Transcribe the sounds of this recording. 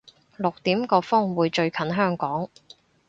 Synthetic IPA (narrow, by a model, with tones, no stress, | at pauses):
lʊ˨k̚t̪iː˨˥mkɔː˧fʊ˥ŋwuː˨˧jt͡ʃɵ˧ɥkʰɐ˨˥nɦœː˥ŋkɔː˨˥ŋ